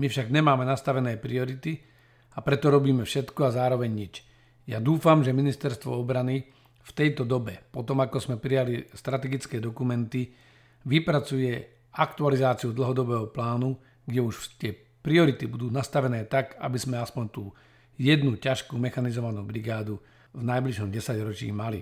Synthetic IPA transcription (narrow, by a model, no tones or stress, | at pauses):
mifʃaɡɲɛmaːmɛnast̪aʋɛnɛːpɾiɔɾit̪i | apɾɛt̪ɔɾɔbiːmɛfʃɛt̪kɔazaːɾɔʋɛɲɲit͡ʃ | jad̪uːfamʒɛminist̪ɛɾst̪ʋɔ̰ɔbɾani | ft̪ɛjt̪ɔd̪ɔbɛpɔt̪ɔmakɔzmɛpɾijalist̪ɾat̪ɛɡit͡skɛːd̪ɔkumɛnt̪i | ʋipɾat͡sujɛ | akt̪ualizaːt͡siud̪l̩ɦɔd̪ɔbɛːɦɔplaːnu | ɡɟɛuʃt̪ɪɛ | pɾiɔɾit̪ibud̪uːnast̪aʋɛnɛːt̪aɡa̰bizmɛaspɔɲt̪uː | jɛd̪nucaʃkuːmɛxanizɔʋanuːbɾiɡaːd̪u | vnajbliʃɔmɟɛsaɟɾɔt͡ʃḭːmalḭ